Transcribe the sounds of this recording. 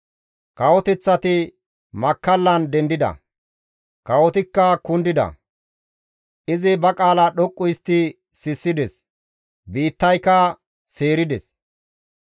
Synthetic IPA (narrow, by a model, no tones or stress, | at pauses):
kɐwɔt̪ɛt͡sːɐt̪ɪ | mɐkːɐlːɐnd̪ɛnd̪ɪd̪ɐ̰ | kɐwɔt̪ɪkːɐkʊnd̪ɪd̪ɐ̰ | ʔɪzɪbɐkʼaːlaɗɔkʼːʊjst̪ːɪ | sɪsːɪd̪ɛs | biːt̪ːɐjkɐ | se̞ːɾɪd̪ɛs